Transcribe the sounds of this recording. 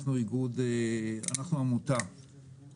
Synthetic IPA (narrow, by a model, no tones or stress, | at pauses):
χnuiɡud̪ea̰naχnuamut̪a